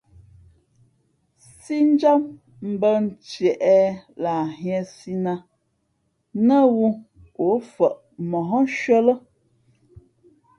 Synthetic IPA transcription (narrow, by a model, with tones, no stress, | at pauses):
si˦n̩˦d͡ʒa˦m | m̩˨bə˦n̩˨˦t͡ʃjɛ˨ʔɛ˦la˨ɦjɛ˨si˦na˦ | nə˦wu˦ | o˨˦fə˨ʔ | mɔ˨ɦɔ˦ʃɥə˦lə˦